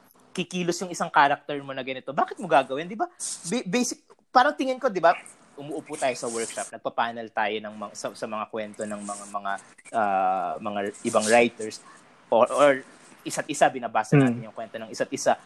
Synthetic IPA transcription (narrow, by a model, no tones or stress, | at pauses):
kɪkiːlosjʊŋɪsaŋkaːɾɐk̚t̪ɛɹmo̞nɐɡɐnɪt̪o̞baːkɪt̪̚moɡaːɡɐwɛnd̪ɪbabbɛjsɪk̚paːɾɐŋt̪ɪŋɪnko̞d̪ɪba | ʔʊmʊʔopʊt̪aːjo̞sɐwɛɹkʃɐp̚nɐɡ̚pɐpaːnɐlt̪aːjo̞nɐŋmɐŋsɐsɐmɐŋakwɛnt̪o̞nɐŋmɐŋamɐŋa | ʔaːmɐŋaʔɪbaŋɹajt̪ɛɹs | ʔoʔoɹ | ʔɪsat̪̚ʔɪsabɪnɐbaːsɐnaːɪnjʊŋkwɛnt̪o̞nɐŋɪsat̪̚ɪsa